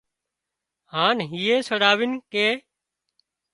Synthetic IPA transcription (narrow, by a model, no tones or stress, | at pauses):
haːnɦiːẽːsəɽaːʋɪnkeː